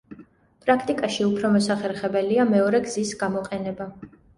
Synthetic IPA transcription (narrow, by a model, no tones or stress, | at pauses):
pʼɾakʰt̪ʼikʼaʃiupʰɾɔmɔsaχɛɾχɛbɛliamɛɔɾɛɡz̥isɡamɔqʼɛnɛba